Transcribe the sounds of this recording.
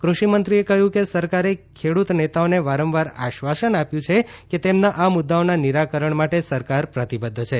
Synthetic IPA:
kɾuʃimənt̪ɾiekəɦjũkesəɾkaɾekʰeɽut̪net̪aoneʋaɾə̃mʋaɾaʃʋasənapjũt͡ʃʰeket̪emnaʔamʊd̪ːaonaniɾakəɾəɳmaʈesəɾkaɾpɾət̪ibəd̪ʱːt͡ʃʰe

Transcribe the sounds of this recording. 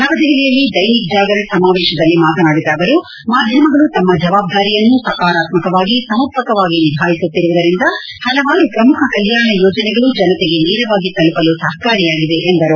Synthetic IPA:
ɐʋɐd̪ɐɦilijɐlːid̪ɐjnik̚d͡ʒaːɡɐɾɐsɐmaːʋɛːʃɐd̪ɐlːimaːt̪ɐnaːɽid̪ːɐɐʋɐɾu | maːd̪ʱjɐmɐɡɐɭut̪ɐmːɐd͡ʒɐʋaːb̚d̪aːɾijɐnːusɐkaːɾaːt̪mɐkɐʋaːɡisɐmɐt̪̚pɐkɐʋaːɡinib̪ʱaːjisut̪ːiɾuʋud̪ɐɾind̪ɐ | hɐlɐʋaːɾupɾɐmukʰɐkɐljaːɐɳɐjoːd͡ʒɐnɛɡɐɭud͡ʒɐnɐt̪ɛɡe̞niːɾɐʋaːɡit̪ɐlupɐlusɐɦɐkaːɾijaːɡid̪eʔend̪ɐɾu

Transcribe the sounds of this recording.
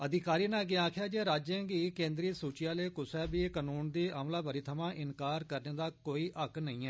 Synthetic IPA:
əd̪ɪkaːɾiːnãːɡeãːkʰjaːd͡ʒeːɾaːd͡ʒẽːɡiːkẽːnd̪ɾiːsuːt͡ʃɪjãːleːkʊsɛːbiːkənuːnd̪iːəmlaːbəɾiːt̪ʰəmãːʔɪnkaːɾkəɾneːd̪aːkoːiːʔəknəĩːɛː

